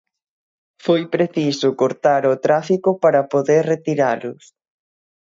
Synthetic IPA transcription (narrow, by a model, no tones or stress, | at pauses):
fojpɾeθisʊkoɾt̪aɾʊt̪ɾafikʊpaɾɐpoðeɾret̪iɾalʊs